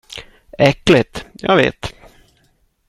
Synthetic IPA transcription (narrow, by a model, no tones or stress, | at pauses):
ɛkːlɪt̪jɑ̰ːvḛːt̪